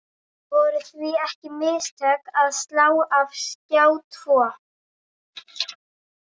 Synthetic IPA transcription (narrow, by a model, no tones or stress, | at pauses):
vɔɾʏθviɛhcɪmɪːst̪ʰœkaðst̪laːwav̥scaːwt̪ʰvɔː